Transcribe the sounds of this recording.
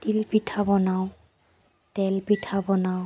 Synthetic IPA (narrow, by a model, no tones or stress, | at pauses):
tilpitʰabɔnaw | tɛlpitʰabɔnaw